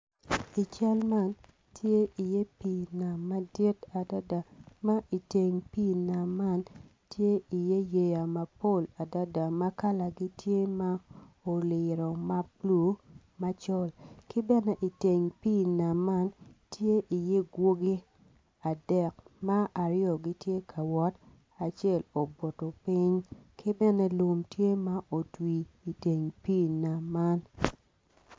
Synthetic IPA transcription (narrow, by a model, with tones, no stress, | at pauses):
i˨t͡ʃa˦lma˦˨n | tʰje˦i˨je˦pi˦˨na˨mːa˦di˦ta˨da˦da˨ma˦ʔi˨te˨ŋpi˦˨na˨mːa˦n | tje˦i˨je˦je˨ja˨ma˨po˦˨la˨da˦da˨ma˦ka˦la˨ɡi˦tʰje˦ma˦o˨lɪ˨ɾɔ˨ma˦p̚lu˨˦ | ma˦t͡ʃɔ˦lkɪ˦bɛ˦nɛ˦ʔi˨te˨ŋpi˦˨na˨ma˦ntje˦ʔi˨je˦ɡwo˦ɡi˦ | a˨dɛ˨k̚ma˦a˨ɾɪ˦o˨ɡi˦tje˦kʰa˨wɔ˦t | a˨t͡ʃɪ˦ɛ˦˨lo˨bo˨to˨pi˦ɲkʰɪ˦bɛ˦nɛ˦lu˨mtje˦ma˦ʔo˨twiː˨te˨ŋpi˦˨na˨ma˦n